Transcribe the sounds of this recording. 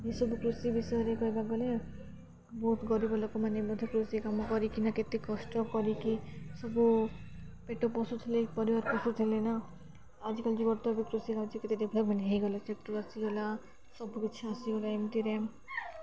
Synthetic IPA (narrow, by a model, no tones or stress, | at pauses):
isɔbukɾusibisɔɾeɡɔeɡaɡɔle | bɔt̪ɡɔɾibʱɔlakomanebɔd̪ʱɔkɾusikamɔkɔɾikinaket̪ekɔsʈɔkɔɾikisɔbu | peʈopɔsut̪ʰelepɔɾiʋaɾkɔsut̪ʰelena | ad͡ʒkɔld͡ʒiɡɔɾt̪ɔbikɾusikabt͡ʃʰiket̪ed̪ebʱləəneɦiɡɔlat͡ʃekʈuʋasiɡɔla | sɔbkit͡ʃʰasiɡolaimt̪iɾe